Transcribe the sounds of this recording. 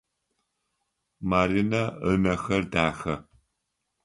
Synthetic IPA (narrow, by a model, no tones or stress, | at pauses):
maːɾinɐəmɐxɐrdaːxɐ